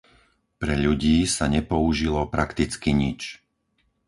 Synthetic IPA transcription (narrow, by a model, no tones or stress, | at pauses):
pɾɛʎuɟiːsaɲɛpɔuʒilɔpɾakt̪it͡skiɲit͡ʃ